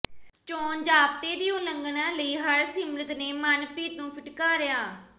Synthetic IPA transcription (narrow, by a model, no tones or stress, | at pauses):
t͡ʃoːnd͡ʒaːp̚t̪eːd̪ɪjõːləŋɡnãːləiːɦəɾsɪmɾət̪neːmənpiːt̪nũːpʰɪʈkaːɾɪjaː